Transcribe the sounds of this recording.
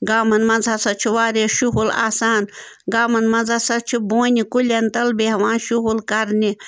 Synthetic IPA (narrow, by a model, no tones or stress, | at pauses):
ɡaːmɐnmɐnzʱɐsɐt͡ʃʰuʋaːɾeʃuɦula̰ːsaːnɡaːmɐnmɐnzasɐt͡ʃʰibõːnʲikulʲɐnt̪ɐlbeɦɐʋãːnʃuɦulkɐɾni